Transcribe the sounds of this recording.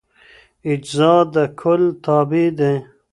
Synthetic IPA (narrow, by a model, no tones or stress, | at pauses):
ɪd͡ʒzɑːd̪ɐkʰʊlt̪ʰɑːbid̪ẽ